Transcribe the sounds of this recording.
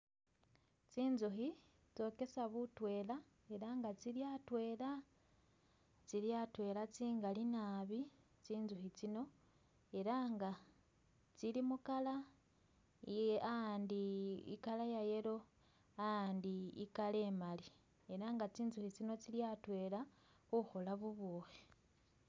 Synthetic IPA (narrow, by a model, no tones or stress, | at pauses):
t͡siːnzuxi | t͡so̞ke̞saβutwe̞ːla | e̞ɾaːŋɡat͡siljatwe̞ːla | t͡siljatwe̞ːlat͡siːŋɡalinaːβi | t͡siːnzuxit͡sino̞ | e̞ɾaŋɡa | t͡silimukala | andiḭkalajaje̞lo̞ | andiːkale̞mali | e̞ɾaŋɡat͡siːnzuxit͡sino̞t͡siljatwe̞la | xuxo̞laβuβoːxe